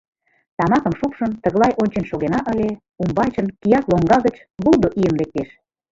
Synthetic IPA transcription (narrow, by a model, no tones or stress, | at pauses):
t̪ɑmɑkə̆mʃupʃənt̪əɣlˠɑjʔonʲt͡ɕenʃoɣenɑʔəlʲe | umbɑjt͡ɕənkijɑkloŋɡɑɣət͡ɕ | bulˠd̪oʔijənlek̚t̪eʃ